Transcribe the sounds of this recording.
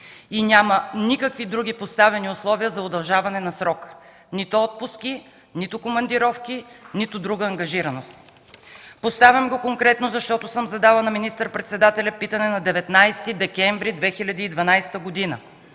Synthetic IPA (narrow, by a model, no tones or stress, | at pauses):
inʲamənikəkvid̪ɾuɡ̟ʲipost̪avɛniʊslˠɔviəzɐod̪ɐlˠʒavɐnɛnɐsɾɔk | nit̪ʊɔt̪̚pʊski | nit̪ʊkomɐnd̪iɾɔfkinit̪ʊd̪ɾuɡəːŋɡɐʒiɾɐnost̪ | post̪avʲɐmɡokoŋkɾɛt̪nozɐʃt̪ɔt̪ʊsɤmzɐd̪alˠɐnɐminist̪əɾpɾɛt̪sɛd̪at̪ɛlʲɐpit̪ənɛnɐd̪ɛvɛt̪najst̪id̪ɛkɛɱvɾid̪vɛxilʲɐd̪iːd̪vɐnajst̪əɡod̪inə̰